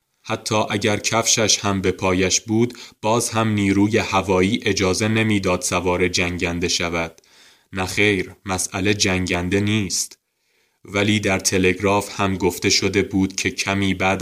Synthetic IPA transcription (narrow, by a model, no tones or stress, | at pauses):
hæt̪ʰːɒːʔæɟæɾcʰæfʃæʃhæmbe̞pʰɒːjæʃbuːd̪b̥ɒːzhæmniːɾuːje̞hævɒːiːʔe̞d͡ʒɒːze̞ne̞miːd̪ɒːd̪̥sævɒːɾe̞d͡ʒæŋɟænd̪e̞ʃævæd̪̥̚ | næχe̞jɾmæsʔæle̞d͡ʒæŋɟænd̪e̞niːst̪ | væliːd̪æɾt̪ʰe̞le̞ɡɾɒːfhæmɡo̞ft̪e̞ʃo̞d̪e̞buːd̪̥cʰe̞cʰæmiːbæːd̪